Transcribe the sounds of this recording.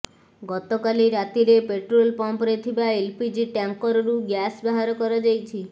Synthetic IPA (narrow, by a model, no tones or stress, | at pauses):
ɡɔt̪ɔkaliɾat̪iɾepeʈɾolpɔmpɾet̪ʰibaelpid͡ʒiʈaŋkɔɾɔɾuɡjasbaɦaɾɔkɔɾɔd͡ʒajt͡ʃʰi